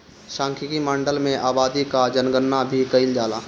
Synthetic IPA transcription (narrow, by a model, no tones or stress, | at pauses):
ʃãːŋkʰɪkimãːɳɖəlmẽʔaːbaːd̪ikad͡ʒənɡənːabʱikəɪld͡ʒaːlaː